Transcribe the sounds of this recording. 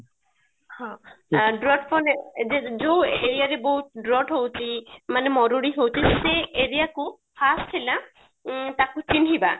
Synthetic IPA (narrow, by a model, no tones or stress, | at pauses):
hɔ̃ɖɾɔʈʰpɔned͡ʒed͡ʒoweɾijaɾeboɦut̪̚ɖɾɔʈɦowt͡ʃʰimanemɔɾuɽiɦowt͡ʃʰiseʔeɾijaku | pʰastʰila | t̪akut͡ʃinɦiba